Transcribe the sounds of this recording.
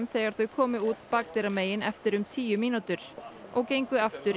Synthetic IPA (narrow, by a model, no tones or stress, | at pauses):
mθɛːɣaɾ̥θœɥkʰɔːmʏuːt̪paːk̚t̪ɛɾameːjɪnɛft̪ɪɾʏmt̪ʰiːjʏmiːnut̪ʏɾ̥ʔɔɣcejŋkʏaft̪ʏɾ